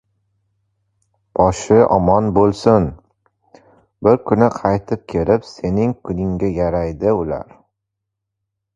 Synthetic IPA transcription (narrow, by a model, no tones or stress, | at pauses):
b̥ɒʃɪʔɒ̰mɒnbolˠsʊn | bɪɾkʰʊnɪqʰɑjt̪ʰɪp̚kʲʰe̞lɪpse̞nɪŋkʰʊnɪŋɡʲajaɾajd̪ɪʊla̰ɾ